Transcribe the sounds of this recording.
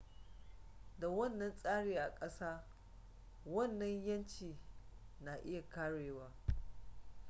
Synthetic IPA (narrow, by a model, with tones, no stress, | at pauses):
da˨wɐ˦˨nːɐ˦nsʼaː˦ɽeː˨ʔa˨kʼɐ˦saː˦ | wɐ˦˨nːɐ˦ɲjɐ˦nt͡ʃiː˨na˨ʔɪ˦ja˨kaː˦ɽeː˨waː˦